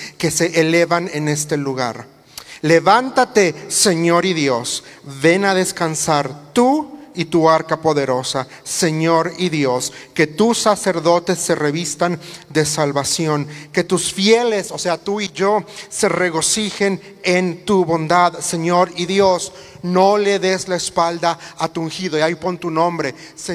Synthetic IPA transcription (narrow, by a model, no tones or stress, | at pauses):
ke̞se̞ʔːle̞βane̞ne̞st̪e̞luɣa̰ɾ | le̞βant̪at̪e̞se̞ɲo̞ɾiðjo̞sβe̞naðe̞skansaɾt̪uit̪uaɾkapo̞ðe̞ɾo̞sa | se̞ɲo̞ɾiðjo̞ske̞t̪usːase̞ɾðo̞t̪e̞sːe̞re̞βist̪and̪e̞salβasjo̞ŋke̞t̪usfje̞le̞soseat̪uiʝo̞sere̞ɣo̞sixe̞n | ent̪uβo̞nd̪aðse̞ɲo̞ɾiðjo̞s | no̞le̞ðezlaespald̪aːt̪uuŋxiðojajpont̪unõ̞mbɾe̞ | se